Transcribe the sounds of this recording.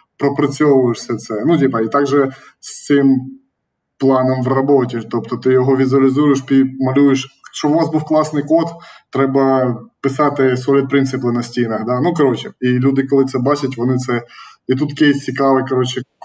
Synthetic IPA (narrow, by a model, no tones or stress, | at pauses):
pɾɔpɾɐt͡sʲɔʋʊjɪʂsʲɛt̪sɛnudʲipɐit̪ɑɡʒɛ | sʲt̪ɪm | plˠɑnɔmʋrɐbotʲit̪ɔpt̪ɔt̪ɪjɔɦɔʋʲizʊɐlʲɪzujɪʃpʲimɐlʲujɪʃʃt͡ʃɔʊʋɑzbuwklˠɑsnɪjkot̪t̪ːɾɛbɐpɪsɑt̪ɪsɔlʲit̪̚pɾɪnsɨplˠɪnɐsʲtʲinɐxd̪ɑnukɐɾot͡ʃɛilʲud̪ɪkɔlˠɪt̪sɛbɑt͡ʃɐtʲʋɔnɪt̪sɛit̪ut̪kʲejsʲt͡sʲikɑʋɪkɐɾot͡ʃɛ